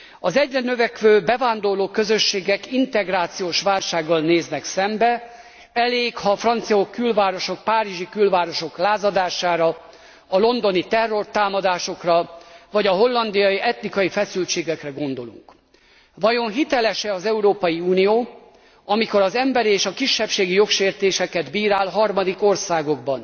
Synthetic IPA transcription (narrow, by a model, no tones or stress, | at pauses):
ɒzɛɟrɛnøvɛkʋøːbɛvaːnd̪o̞rloːkø̞zø̞ʃːeːɡɛkint̪ɛɡraːt̪sijoːʃʋaːlʃaːɡːɒlneːznɛksɛmbɛ | ɛleːkhɒfrɒnt̪sijokːylvaːɾo̞ʃo̞k̚paːɾiʒikylvaːɾo̞ʃo̞klaːzɒd̪aːʃaːɾɒ | ɒlo̞nd̪o̞nit̪ɛrːo̞rt̪aːmɒd̪aːʃo̞krɒvɒɟɒɦo̞lːɒnd̪ijɒjiɛt̪nikɒjifɛsylt͡ʃeːɡɛkrɛɡo̞nd̪o̞lṵŋk | vɒjo̞nɦit̪ɛlɛʃɛɒzɛuɾoːpɒjiuːnijoː | ɒmiko̞ɾɒzɛmbɛɾieːʃɒkiʃːɛpʃeːɡijo̞kʃeːrt̪eːʃɛkɛd̪biːɾaːlɦɒrmɒd̪iko̞rsaːɡo̞ɡ̚bɒn